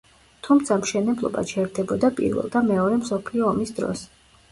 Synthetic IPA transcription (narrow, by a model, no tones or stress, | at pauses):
t̪ʰumt̪sʰamʃɛnɛblˠɔ̰ba̰t͡ʃʰɛɛɾd̪ɛbɔd̪apʼḭɾvɛ̰lˠd̪amɛɔɾɛmsɔpʰliɔːmisd̪ɾɔ̰s